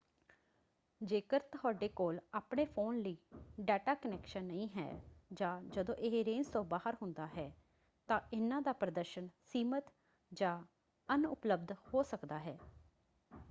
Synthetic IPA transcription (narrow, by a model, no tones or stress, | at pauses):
d͡ʒeːkəɾt̪əɦɔːɖeːkoːlaːpɳeːpʰoːnləiːɖɛːʈaːkənɛːkʃənːəĩːɦɛ̰ːd͡ʒãːd͡ʒəd̪õːʔɪɦeɾẽːnst̪õːbaːɦəɾɦʊnd̪aːɦɛː | t̪ãːʔɪnãːd̪aːpɾəd̪əɾʃənsiːmət̪ | d͡ʒãː | ənʊ̰pləbd̪hoːsəkd̪aːɦɛː